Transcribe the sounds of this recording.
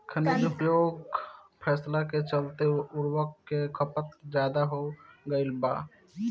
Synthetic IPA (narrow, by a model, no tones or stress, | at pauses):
kʰənid͡ʒupjoːɡpʰɛːslaket͡ʃəlt̪eʊɾwəkːekʰəpət̪d͡ʒjaːd̪aɦoɡəɪlba̰ː